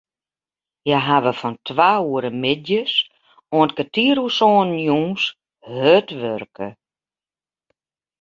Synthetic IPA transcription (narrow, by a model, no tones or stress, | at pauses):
jaɦaʋəfɔntʰʋaːuəɾəmɪdjəs | oənkətiəɾusɔːnnjũːs | høtʋørkə